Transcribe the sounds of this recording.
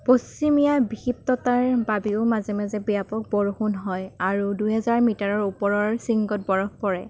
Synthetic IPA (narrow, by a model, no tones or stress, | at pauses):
post͡ʃimijabixip̚tɔtaɹbabiʊmazɛmazɛbijapɔk̚boɹxunɦɔjaɹuduɦɛzaɹmitaɹɔɹupɔɹɔɹsiŋɡɔt̚bɔɹɔk̚pɔɹɛ